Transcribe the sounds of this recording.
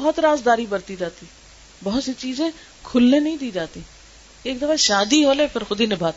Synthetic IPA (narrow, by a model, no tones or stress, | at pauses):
bɦt̪ɾaːzd̪aːɾiːbəɾt̪iːd͡ʒaːt̪iː | bɔɦt̪set͡ʃiːzẽː | kʰʊlːẽːnəĩːd̪iːd͡ʒaːt̪iː | eːkd̪əfaːʃaːd̪iːɦoːleːpʰɪɾxʊd̪iːnɪbʱaːt̪ː